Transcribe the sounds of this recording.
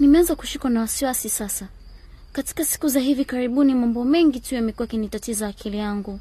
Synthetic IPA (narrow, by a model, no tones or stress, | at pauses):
nimɛanzaku̥ʃikanawasiwasisasa | kati̥kasi̥kuzaɦivikaɾiɓunimambɔmɛŋɡitujamɛkuwakinitatizaːkʰilijaŋɡu